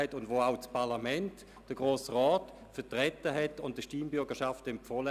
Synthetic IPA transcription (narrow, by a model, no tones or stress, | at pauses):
ɛtʊndvoːaʊt͡spaʁlamɛnt | d̥əɡ̥ʁoːsʁɔːt | fɛtʁɛtəɦɛtʊntd̥əʃtiːmbʏɐɡəʃaftɪmfɔlə